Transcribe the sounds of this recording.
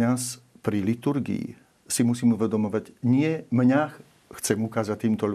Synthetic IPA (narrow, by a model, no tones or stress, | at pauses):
ɲaspɾilit̪uɾɡḭḭ | simusiːmuʋɛd̪ɔmɔʋaɟɲɪɛmɲax | xt͡sɛmukaːzac̚t̪ːiːmt̪ɔʎ